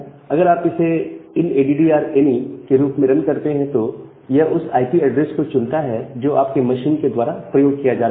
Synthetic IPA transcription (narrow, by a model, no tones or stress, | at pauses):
ɐɡəɾaːpɪseɪneːɖiɖiaːɾeːnikeɾuːpmɪɾənkɐɾt̪eɦɛ̃t̪o | jɐɦʔʊsa̰ːɪpiɐɖɾeːskot͡ʃʊlt̪aɦɛd͡ʒoːʔaːp̚kemɐʃiːnked̪waːɾapɾɐjoːɡ̚kijad͡ʒaːɾa